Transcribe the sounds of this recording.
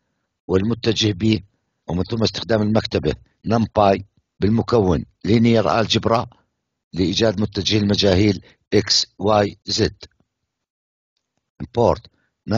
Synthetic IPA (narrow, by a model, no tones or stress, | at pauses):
wɪlmʊt̪ːad͡ʒɪhbiː | wmɪnθʊmːaɪst̪ɪ̥xd̪aːmɪlmakt̪aba | nampaːj | bɪlmʊkawːɪn | liːnijɑɾˤʔa̰ːld͡ʒɪbɾˤɑ | lɪʔiːd͡ʒaːd̪mʊt̪ːad͡ʒɪhɪlmad͡ʒaːhiːl | ʔɪkswaːjzɪd̪ | ʔɪmpoːɾt̪ | na